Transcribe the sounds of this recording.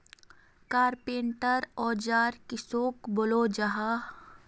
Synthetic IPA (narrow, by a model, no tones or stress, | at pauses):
kaːɾpẽːɳʈəɾɔːd͡ʒaːɾkɪsoːkboloːd͡ʒaɦaː